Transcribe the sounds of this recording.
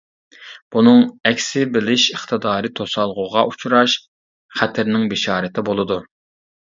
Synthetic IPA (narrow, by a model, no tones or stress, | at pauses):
b̥unɨŋɛkʲsɪbɪlɪʃəχt̪ʰɨd̪ɑːɾɨt̪ʰosɑlˠʁʊʁɑʔut͡ʃʰuɾɑʃ | χæt̪ʰɪɾnɪŋbɪʃɑːɾɨt̪ʰɪbolˠɨd̪u